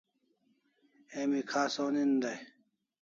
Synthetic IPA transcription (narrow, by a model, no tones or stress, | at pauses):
emikʰaːsoːnind̪ɐj